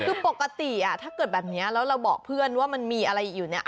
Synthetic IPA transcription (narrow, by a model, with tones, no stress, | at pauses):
kʰɯː˧po˨˩kːa˧t̪i˨˩ʔa˨˩t̪ʰaː˥˩kɤː˨˩t̪̚bɛː˨˩p̚ni˦˥ɐlɛː˦˥wɾa˧wbɔ̰ː˨˩k̚pʰɯ˥˩ənwaː˥˩ma˧nmiː˧ʔa˧ɾa˧jʔiː˨˩k̚juː˨˩n˦˥ʔ